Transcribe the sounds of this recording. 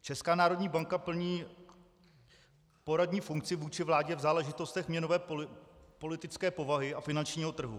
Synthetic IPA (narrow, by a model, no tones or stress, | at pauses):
t͡ʃɛskaːnaːɾo̞dɲiːbaŋkapl̩ɲiː | po̞ɾadɲiːfuŋkt͡sɪvuːt͡ʃɪvlaːɟɛvzaːlɛʒɪt̪o̞st̪ɛxmɲɛno̞vɛː | po̞lɪt̪ɪt͡skɛːpo̞vaɦɪafɪnant͡ʃɲiːɦo̞t̪r̩ɦṵ